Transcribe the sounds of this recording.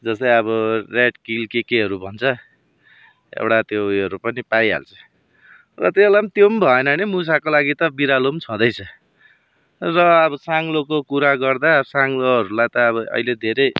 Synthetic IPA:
d͡zʌsʌjʌβʌreɖkilkekeɦʌɾubʱʌnt͡sʰʌ | ḛwɽat̪joʌɾupʌnipajɦa̰lt͡sʰʌ̥ | rʌ̰t̪elamt̪jombʱʌenʌnimus̬akolaɡit̪ʌbiɾalomt͡sʰʌ̃d̪ʌjt͡sʰʌ | rʌːbʌsaŋlokokuɾaɡʌrd̪asaŋloɦʌɾulajt̪ʌːβʌʔʌ̰iled̪ʱeɾʌj

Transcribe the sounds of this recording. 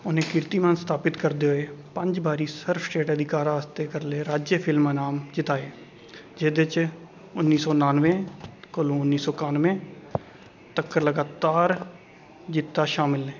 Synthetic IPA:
ʊnẽːkɪɾt̪iːmə̃nst̪ʰaːpɪt̪kəɾd̪eːɦoeːpə̃ɲd͡ʒbaːɾiːsəɾfʰsʈeːʈəd̪ʱɪkaːɾaːst̪eːkəɾleːɾaːd͡ʒjəpʰɪlmãnaːmd͡ʒɪt̪aːeː | d͡ʒeːd̪ɪt͡ʃ | ʊnːiːsɔːnaːnʋẽːkəlõːʊnːiːsɔːkãːnʋẽː | t̪əkːəɾləɡaːt̪aːɾ | d͡ʒɪt̪ːaːʃaːmɪlɛː

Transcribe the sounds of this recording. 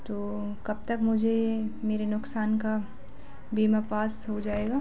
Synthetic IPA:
t̪oː | kɐb̚t̪əkmʊd͡ʒʱemeːɾenʊksaːnka | biːmapaːsɦod͡ʒaːeːɡaː

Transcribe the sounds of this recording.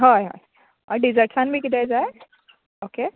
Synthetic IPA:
ɦɔːjɦɔ̰j | ɔ̰ɾɖizəɾʈsanbʱikid̪ajd͡ʒaːe | oːke

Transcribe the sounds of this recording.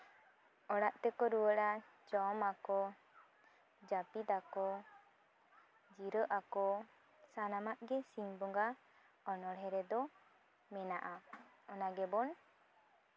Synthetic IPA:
ɔɽaʔt̪ɛkɔɾuəɽa | d͡ʒɔmakɔ | d͡ʒapit̪akɔ | d͡ʒiɾəʔakɔ | sanamaʔɡɛsiɲbɔŋɡa | ɔnɔɽɦɛɾɛd̪ɔ | mɛnaʔa | ɔnaɡɛbɔn

